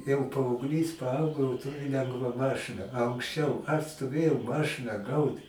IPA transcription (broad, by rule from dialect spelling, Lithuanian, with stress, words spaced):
jɛʊ pɐɐʊɡˈlʲiːs pɐˈɐʊɡoː jɛʊ ˈtʊrʲɪ ˈlʲɛŋɡʋɐ ˈmɑːʃɨnɐ ɐ ɐŋksʲˈt͡ʃʲɛʊ ɐʃ stoːˈʋʲeːjɛʊ ˈmɑːʃɨnɐ ˈɡɐʊt